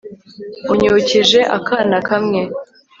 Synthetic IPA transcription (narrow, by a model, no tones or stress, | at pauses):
uɲuciʒe̞ʔa̰kaːnakamŋe̞